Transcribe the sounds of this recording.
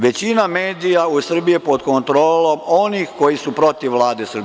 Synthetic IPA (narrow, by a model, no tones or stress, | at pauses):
ʋe̞t͡ɕinameːd̪ijausr̩bijepo̞d̪ko̞nt̪ɾoːlo̞mo̞nixko̞jisupɾo̞t̪iʋʋːlˠaːd̪e̞sr̩bi